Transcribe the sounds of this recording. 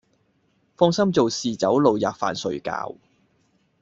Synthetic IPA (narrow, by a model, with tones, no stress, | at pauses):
fɔː˥ŋsɐ˥mt͡so˨wsiː˨t͡sɐ˨˥wlo˨wja̰ː˨k̚fa̰ː˨nsɵ˨˧ɥka̰ː˧w